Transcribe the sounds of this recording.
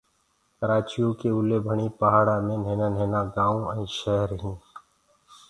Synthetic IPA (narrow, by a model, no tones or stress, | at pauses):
kəɾaːt͡ʃijõkeʊlebʱəɳ̃ipəɦaːɽamẽneːnaneːnaɡãːũə̃ĩʃɛɦəɾɦĩː